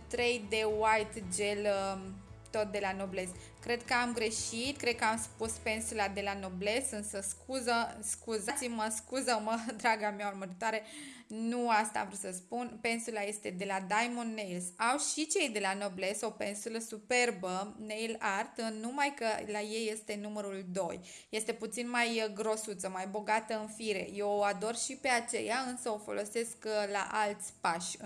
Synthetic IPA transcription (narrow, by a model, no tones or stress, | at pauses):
t̪ɾe̞jd̪e̞wajt̪d͡ʒel | t̪o̞t̪̚d̪e̞lano̞ble̞s | kɾe̞d̪kəamɡɾe̞ʃit̪kɾe̞d̪kəamspuspe̞nsulad̪e̞lano̞ble̞sɨnsəskuzəskuzat̪siməskuzəməd̪ɾaɡameaurməɾit̪oaɾe̞ | nuast̪a̰a̰mvɾusəspunpe̞nsulaje̞st̪e̞d̪e̞lad̪ajmond̪ːejlsawʃit͡ʃe̞jd̪e̞lanoble̞sowpensuləsupe̞rbənejlart̪numajkəlaje̞jːe̞st̪e̞numəɾuld̪o̞j | je̞st̪e̞put̪sinmajɡɾo̞sut̪səmajbo̞ɡat̪əɨnfiɾe̞̰jeoad̪o̞rʃipe̞at͡ʃe̞̰jaɨnsəo̞fo̞̰lʔo̞se̞skla̰ʔalt̪sʲpaʃʲ